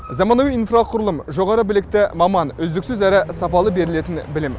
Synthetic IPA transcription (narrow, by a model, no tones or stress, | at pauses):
zɑmɑnowijinfraqʰʊɾəlˠəmʒo̞ʁɑɾəbɪlɪk̚t̪ɪmɑmɑnɵzd̪ɪksʏzæɾɪsɑpɑlˠəbe̞ɾɪle̞t̪ɪnbɪlem